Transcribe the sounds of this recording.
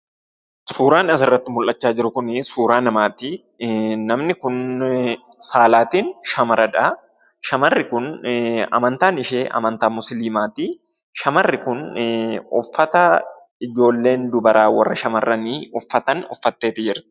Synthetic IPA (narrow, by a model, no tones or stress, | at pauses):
suːɾaːnɐsɪrːɐt̪ːɪmʊlʔːɐt͡ʃːaːd͡ʒɪɾʊkʊnɪsuːɾaːnɐmaːt̪i | nɐmnɪkʊn | saːlaːt̪iːnʃɐmɐɾɐᶑɐ | ʃɐmɐrːɪkʊnɐ̰mɐnt̪aːnɪʃeːʔɐ̰mɐnt̪aːmʊsɪliːmaːt̪i | ʃɐmɐrːɪkʊn | ɔfːɐt̪ɐ | ɪd͡ʒo̞ːlːe̞ːnd̪ʊbɐɾaːwɐ̰rːɐʃɐmɐrːɐniɔfːɐt̪ɐnɔfːɐt̪ːe̞ːt̪ɪd͡ʒɪɾt̪ɪ̥